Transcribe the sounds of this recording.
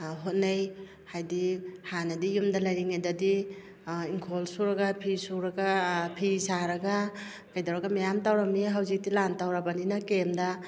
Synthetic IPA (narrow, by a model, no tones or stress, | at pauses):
ɦot̚naj | hajdihanadijumdalajɾiŋajdadi | iŋkʰolsuɾaɡapʰisuɾaɡapʰisaɾaɡa | kajdawɾaɡamajamtawɾamiɦawzik̚dilantawɾabaninakemda